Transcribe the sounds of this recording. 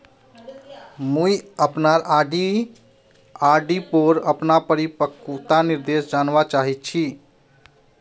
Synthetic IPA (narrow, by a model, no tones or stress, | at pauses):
mũiəpnaɾaɖi | aɾɖipoɾəpnapəɾipəkut̪aniɾd̪esd͡ʒaːnʋat͡ʃaːɦit̪̚t͡ʃʰi